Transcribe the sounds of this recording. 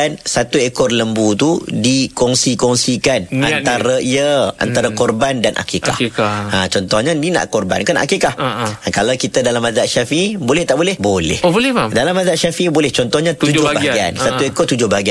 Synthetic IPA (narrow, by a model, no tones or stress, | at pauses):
nsat̪uekɔrləmbut̪udikɔŋsikɔŋsikanant̪aɾaiəa̰nt̪aɾakɔrbandanʔa̰kika̰hãt͡ʃɔnt̪ɔhɲanina̰ʔkɔrba̰nkanaʔakikahkalawkit̪adalamazaʔʃafiibolɛht̪aʔbolɛhbolɛ̰hlɛdalamazaʔʃafiʔibolɛht͡ʃɔnt̪ɔhɲãt̪ud͡ʒd͡ʒʊabaɡaɡia̰nsauekɔt̪ud͡ʒʊhbaɡia